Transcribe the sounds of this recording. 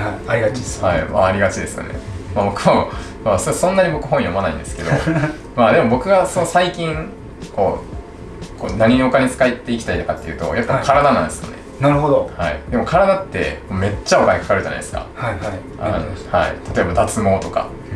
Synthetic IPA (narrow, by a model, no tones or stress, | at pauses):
aɾiahaima̰ːɾʲiɡat͡ɕid̪e̞sɨjo̰nḛmabo̞kɯ̟o | masosõ̞nːaɲ̟ibo̞kɯ̟ɦõ̞jo̞manaḭ̃nd̪e̞sɨ̥ke̞d̪o̞ | mad̪e̞mo̞bo̞kɯ̟ɡasonosaikʲĩŋ | ko̞ː | konaɲ̟iɲiokaɲ̟it͡sɨ̥kait̪ːe̞ikʲi̥t̪ait̪akat̪ːe̞jiɯ̟ːt̪o̞̰japːakaɾad̪anã̰nd̪esɨjo̰ne̞̰ | naɾɯ̟ɦod̪ohaḭd̪e̞mokʰaɾad̪at̪ːe̞̰moːme̞t͡ɕːaokaɲ̟ikḁkaɾɯ̟ʑa̰na̰id̪esɨ̥ka̰haa | aha̰ḭt̪ʰat̪o̞e̞bad̪at͡sɨmo̞ːt̪o̞ka̰